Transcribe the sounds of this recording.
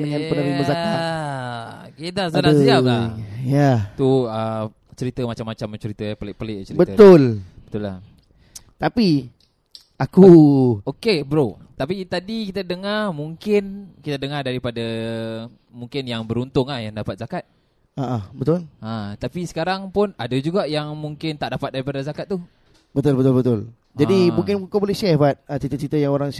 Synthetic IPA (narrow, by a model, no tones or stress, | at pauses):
nəŋanpənəɾiməzaka | kedasalaəiap̚ajat̪uə | t͡ʃəɾit̪əmat͡ʃamːat͡ʃaməɲt͡ʃəɾit̪əpəlɪʔ̚pəlɪʔt͡ʃəɾibət̪t̪ʊlbət̪ʊlːah | t̪api | ʔakuokebəɾo | t̪apit̪adikit̪adəŋarmuŋkɪnkit̪adəŋadaɾipada | muŋkɪnjaŋbəɾunt̪ʊŋahjaŋdapat̪̚zakat̪̚ | aʔabət̪ʊlãt̪apisə̥kaɾaŋpʊnadad͡ʒuɡaʔjaŋmuŋkɪnt̪aʔdapat̪̚daɾipadazakat̪̚ːu | bət̪ʊlbət̪ʊlbət̪ʊl | d͡ʒadimũŋkɪnukobolɛhʃɛhbat̪̚ət͡ʃɾit̪ət͡ʃɾit̪əjaŋoɾaŋ